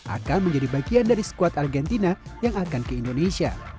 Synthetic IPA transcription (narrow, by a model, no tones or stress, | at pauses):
ʔa̰kanməɲd͡ʒadibaɡiandaɾisə̥kuat̪arɡɛnt̪inajaŋakankəindonesia̰